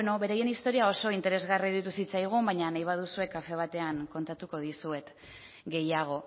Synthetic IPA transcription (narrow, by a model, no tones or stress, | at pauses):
no̞βe̞ɾaje̞nist̪o̞ɾiao̞so̞int̪e̞ɾe̞zɣariðit̪usit͡sajɣ̞umbaɲanajβað̞usue̞kafe̞β̞at̪e̞aŋko̞nt̪at̪uko̞ðisue̞t̪ | ɡe̞jaɣ̞o̞